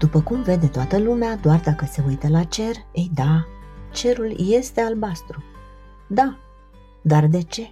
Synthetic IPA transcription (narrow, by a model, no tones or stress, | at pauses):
d̪̥upəkumve̞d̪e̞t̪oat̪əlumead̪oard̪akəse̞ujt̪əlat͡ʃe̞rejd̪at͡ʃe̞ɾulje̞st̪e̞albast̪ɾu | d̪a | d̪ard̪e̞t͡ʃe̞